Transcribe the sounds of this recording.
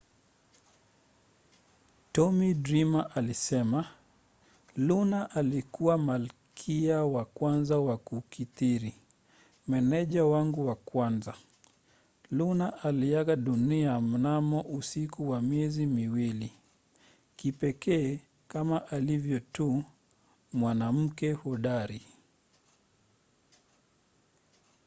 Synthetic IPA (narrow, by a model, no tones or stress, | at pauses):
tɔmidɾimaʔalisɛma | lunaʔalikuwamalkʰiawakwanzawakukʰitiɾi | mɛnɛʄawaŋɡuwakwanza | lunaʔalijaɣaɗuniam̩namɔʔusikuwamjɛzimiwili | kipɛkɛː | kamaʔalivjɔtu | mwanam̩kɛhɔɗaɾi